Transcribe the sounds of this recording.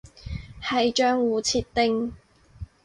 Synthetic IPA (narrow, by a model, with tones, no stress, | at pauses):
hɐ˨jt͡ʃœː˧ŋwuː˨˩t͡sʰiː˧t̚t̪ɪ˧ŋ